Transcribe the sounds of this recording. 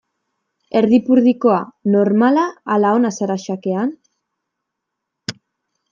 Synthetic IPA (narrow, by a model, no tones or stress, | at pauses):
e̞ɾðipuɾðiko̞ano̞ɾmalaːlaonasaɾaʃake̞an